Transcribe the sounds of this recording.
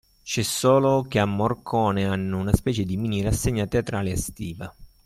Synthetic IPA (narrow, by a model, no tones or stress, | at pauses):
t͡ʃɛsːɔːlokeamːorkʰɔːneanːounaspɛːt͡ʃed̪imiːnirasːeɲːat̪eat̪ɾaːleast̪iːva